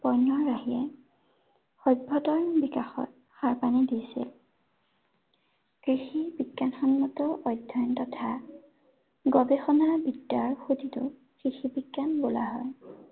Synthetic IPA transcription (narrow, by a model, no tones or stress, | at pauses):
pɔjnːɔɹːahijɛ | xɔj̚bʱɔtɔɹbikaxɔ̰t̚ | xaɹpanidisḭl | kɹixibiɡːanxɔnmɔtɔʔɔjdʱːɔntɔtʰa | ɡɔbexɔnabidːaɹxutitʊ̰ | kɹixibiɡːanbola̰ɦɔ̰j